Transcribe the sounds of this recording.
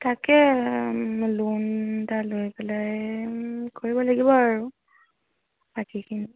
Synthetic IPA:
takɛ | luntalojpɛlaj | koɹibɔlaɡibɔaɹu | pakʰikʰini

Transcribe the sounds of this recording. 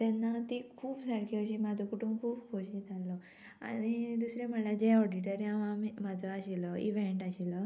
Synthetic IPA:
t̪ɛnːat̪ikʰuːbsəɾkʰiəɕimad͡zʱɔkuʈumkʰuːbkoɕĩd͡zʱalːɔ | a̰ñid̪usɾẽm̤əɳlad͡ʑẽɔɖiʈəɾjãʋãmimad͡zʱəaɕiləḭʋeɳʈaɕilə

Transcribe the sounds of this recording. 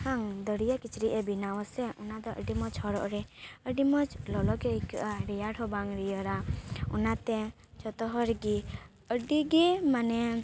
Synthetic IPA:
kʰaŋd̪əɾijakit͡ʃɾiʔɛbinawɔsɛʔɔnad̪ɔʔə̰ɖimɔt͡ʃhɔɾɔ̰ʔɾɛəɖimɔt͡ʃlɔlɔkɛikəʔaɾɛjaʈɔbaŋɾijəɾaɔnat̪ɛ | t͡ʃɔt̪ɔɦɔɾɡi | əɖiɡimanɛ

